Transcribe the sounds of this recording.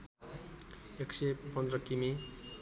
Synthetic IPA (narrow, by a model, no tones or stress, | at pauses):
eksepʌnd̪rʌkimi